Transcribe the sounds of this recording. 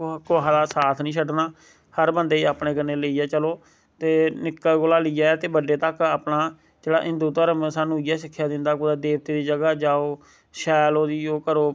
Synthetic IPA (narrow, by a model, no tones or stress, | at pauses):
koːad̪aːsaːt̪ʰnĩːsəɖnaː | həɾbənd̪eːiaːpɳẽːkənːeːləiːɛːt͡ʃəloː | t̪eːnɪkːaːɡoːlaːlːaːɛːt̪eːbəɖeːt̪əkaːpnaː | d͡ʒeːɽa̰ːʔɪ̃nd̪uːt̪aːɾəmẽːsaːnũːijaːsɪkʰːjaːd̪ɪnd̪aːkoːd̪aːd̪eːʋt̪eːd̪iːd͡ʒəɡaːd͡ʒaːoː | ʃɛːloːd̪iːoːkəɾoː